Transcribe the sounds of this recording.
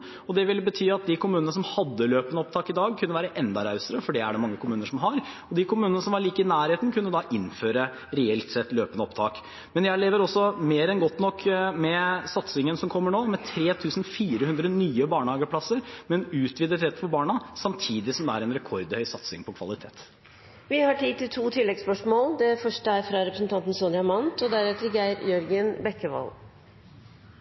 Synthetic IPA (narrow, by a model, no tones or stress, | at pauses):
ɔd̪ɛʋɪlbət̪ʰyːɑt̪̚d̪ɪkʰʊmʉːnənəs̬ɔmhɑd̪ːəløːpənəɔp̚t̪ʰɑːkɪd̪ɑːɡ̚kʰʉnːəʋæːɾəʔɛnd̪ɑɾɑʉsəɾəfɔɖɛæɖɛmɑŋːəkʰʊmʉːnəʂɔmɦɑɾ | ɔd̪ɪkʰʊmʉːnənəsɔmʋɑɾɭiːkəɪnæːɾheːt̪n̩kʰʉnːəd̪ɑʔɪnføːɾə | ɾɛɛlt̪sɛt̪ːløːpənəɔpt̪ʰɑ̰ːk | mɛnjæɪleːʋəɾɔsːɔmeːɾɛnɡɔt̪ːnɔkʰːmɛsɑt̪sɪŋənsɔmkʰɔmːəɳoːmɛt̪ʰɾeːt̪ʰʉːsn̩fiːɾəhʉnd̪ɾənyːəbɑːɳhɑːɡəpʰlɑsəɾmɛnʉːt̪ʰʋiːd̪ət̪ɾɛt̪ːfɔɾbɑːɳɑsɑmt̪ʰiːd̪ɪsɔmd̪ɛæɾɛnɾɛkʰɔɾd̪hœʏsɑt̪sɪ̰ŋpʰɔkʰʋɑ̰lɪt̪ʰḛːt̪ | ʋɪhɑʈiːt̪ɪlt̪ʰuːt̪ʰɪlːɛɡspœʂmoːld̪ɛfœʂʈəæɾfɾɑɾɛpɾəsn̩t̪ɑnt̪n̩sonɪɑmɑnt̪ɔd̪æɾɛːt̪əɾɡæɪɾjœɾɡənbɛkːəʋɑ̰l